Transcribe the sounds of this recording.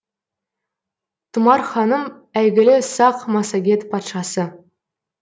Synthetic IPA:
t̪ʰʊmɑɾχɑnəm | æjɡʲɪlɪsɑqmɑsɑɡʲe̞t̪pʰɑt̪ʃɑsə

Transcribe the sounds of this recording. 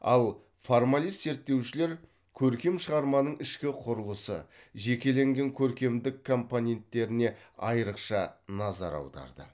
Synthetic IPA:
ɑ̰lˠ | foɾmalˠijst̪ze̞ɾt̪ːe̞wʃɪle̞ɾ | kʲʰɵɾkʲe̞mʃəʁɑɾmɑnəɴɪʃkʲɪqʰʊɾəlˠəsə̰ʒe̞kʲe̞le̞ŋɡʲe̞ŋkʲʰɵɾkʲe̞md̪ɪkʰːo̞mponʲe̞nt̪ːe̞ɾɪne̞ɑjəɾəqʃɑnɑzɑ̰ɾɑ̰wd̪ɑ̰ɾd̪ə̰

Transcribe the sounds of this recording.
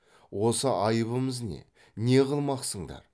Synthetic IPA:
wo̞səʔɑjəbəməzne̞̰ | ne̞ʁəlˠmɑqsəɴd̪ɑ̰ɾ

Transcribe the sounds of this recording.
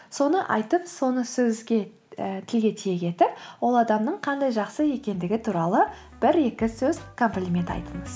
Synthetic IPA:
so̞nəʔɑ̰jt̪əpso̞nəsɵzɡʲe | t̪ʰɪlɡʲe̞t̪ʰije̞kʲʰe̞t̪ɪp̚wo̞lˠɑd̪ɑmnəɴqʰɑnd̪ɑjʒɑqsəje̞kʲe̞nd̪ɪɡʲɪt̪ʰuɾɑlˠə | b̥ɪɾe̞kʲɪsɵzkʰo̞mplʲimʲe̞nt̪ɑ̰jt̪əɴəz̥

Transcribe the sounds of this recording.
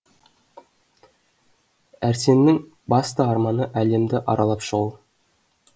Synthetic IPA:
æɾse̞nːɪŋ | bɑst̪əɑɾmɑnəʔæle̞md̪ɪʔɑ̰ɾɑlˠɑpʃəʁu

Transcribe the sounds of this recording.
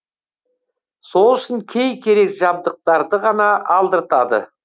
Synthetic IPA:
so̞lˠʏʃɪŋkʲʰe̞jkʲʰe̞ɾe̞kʒɑb̚d̪əq̚t̪ɑɾd̪əʁɑnɑʔːlˠd̪əɾt̪ɑd̪ə̰

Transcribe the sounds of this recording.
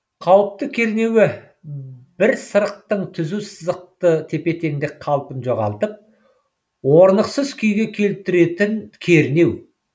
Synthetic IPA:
qʰɑwəp̚t̪əkʲʰe̞ɾne̞wɪ | b̥ɪɾsəɾəq̚t̪əɴt̪ʰʏzusəzəq̚t̪ət̪ʰe̞pe̞t̪e̞ŋd̪ɪk̚qʰɑlˠpənʒo̞ʁɑ̰lˠt̪əp̚ | wo̞ɾnəqsəzkʲʰʏjɡʲe̞kʲʰe̞lɪp̚t̪ɪɾe̞t̪ɪŋkʲʰe̞ɾɪne̞w

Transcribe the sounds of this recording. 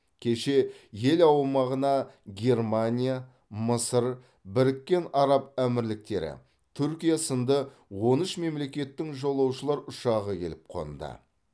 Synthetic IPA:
kʲʰe̞ʃe̞je̞lɑwmɑʁənɑɡʲe̞rmanʲija | məsəɾ | bɪɾɪkʲːe̞nɑɾɑpæmɪɾlɪk̚t̪e̞̰ɾɪ̰ | t̪ʰʏɾkʲijasənd̪ə | wo̞nəʃme̞mle̞kʲe̞t̪ːɪŋʒo̞lˠɑwʃəlˠɑɾʊʃɑʁəkʲʰe̞lɪp̚qʰo̞̰nd̪ə̰

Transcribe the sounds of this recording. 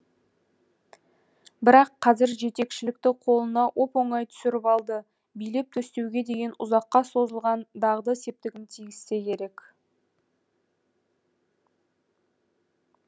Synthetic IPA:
bɪɾɑqʰːɑzɪɾʒe̞t̪e̞kʃɪlɪk̚t̪ɪqʰo̞lˠənɑwʔo̞po̞ɴɑjt̪ʰʏ̥sɪɾɪpɑlˠd̪ə | bijlep̚t̪ʰɵst̪e̞wɡʲe̞d̪e̞ɡʲe̞nʊ̰zɑqːɑso̞zəlˠʁɑnd̪ɑʁd̪əse̞p̚t̪ɪɡʲɪnt̪ʰijɡʲɪst̪e̞kʲʰe̞ɾe̞k

